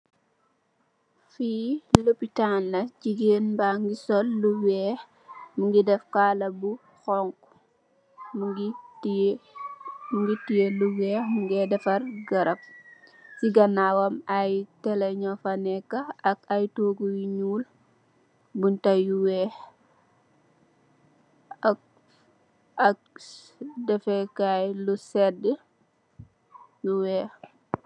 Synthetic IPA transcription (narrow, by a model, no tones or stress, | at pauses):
fiːlopitanːɐɟiɡeːnbaŋɡisɔlːuwɛːx | muŋɡidɛfkaːlɐbu | xɔŋk | mɡi | muŋɡitijeluwɛːxmuŋɡɛdɛfɐrɡɐɾɐp̚siɡɐnawɐmajteleɲɔfanɛkːaːkajtoːɡuwiɲuːl | buntajuwe | a | ak̚ | dɛfekajlusedə | luwe